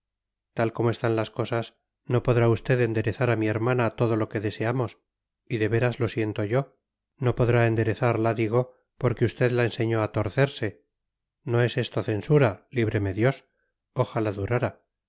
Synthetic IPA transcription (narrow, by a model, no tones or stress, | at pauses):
t̪alko̞moe̞st̪anlasko̞sas | no̞po̞ðɾaust̪e̞ðe̞nd̪e̞ɾe̞θaɾamie̞ɾmanat̪o̞ðo̞lo̞ke̞ðe̞se̞amo̞s | iðe̞βe̞ɾazlo̞sje̞nt̪o̞ʝo̞ | no̞po̞ðɾaend̪e̞ɾe̞θaɾlaðiɣ̞o̞ | po̞ɾkeust̪e̞ðlaense̞ɲo̞at̪o̞ɾθe̞ɾse̞ | noe̞sest̪oθe̞nsuɾaliβɾe̞me̞ðjo̞s | oxalaðuɾaɾa